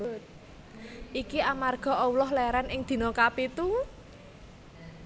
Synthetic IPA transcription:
t̪̚ | ʔikiʔamarɡ̥ɔ̤ʔɔulɔɦlɛɾanɪŋd̪̥i̤nokapit̪u

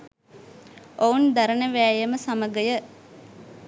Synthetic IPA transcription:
ound̪aɾənəʋæːjəməsaməɡəjə

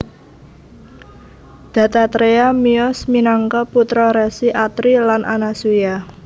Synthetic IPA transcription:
d̪̥ä̤t̪at̪ɾeamiɔsminaŋkɔput̪ɾɔɾɛsiʔat̪ɾilanʔa̰nasuja

